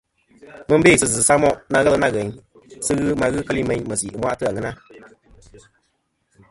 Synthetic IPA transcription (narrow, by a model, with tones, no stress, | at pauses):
mɨ˦be˦˨sɨ˧zɨ˨sa˦mɔ˦ʔna˧ɣə˦lɨ˦na˦ɣɛ˨ɲ | sɨ˧ɣɨ˦ma˧ɣɨ˦kə˦li˦mɛ˨˧˦ɲmə˨si˨mʷwa˦ʔtɨ˦a˨ŋɨ˦na˦